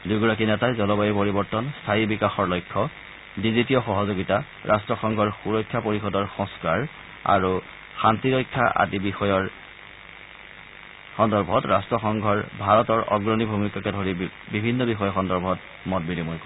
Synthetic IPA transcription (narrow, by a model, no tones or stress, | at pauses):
dujɡɔɹak̬inɛtajzɔlɔbajipoɹibɔɹtɔnstʰaɦibikaxɔɹlɔjkʰːɔ | dizitijɔxɔɦɔzoɡita | ɹʔa̰stɹɔxɔŋɡʱɔɹxuɹɔjkʰːapoɹixɔdɔɹxɔ̃ŋskaɹ | a̰ɹu | xantiɹɔjkʰːa̰ʔa̰dibixɔjɔɹ | xɔndɔɹbʱɔtɹastɹɔxɔŋɡʱɔɹbʱaɹɔtɔɹɔ̰ɡɹɔnibʱumikakɛdʱoɹibibʱinːɔbixɔjɔxɔndɔɹbʱɔt | mɔt̚binimɔjkɔ